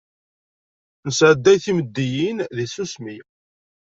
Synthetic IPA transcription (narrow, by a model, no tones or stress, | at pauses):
nəsʕəd̪ːæjθiməd̪ːijinðisusmi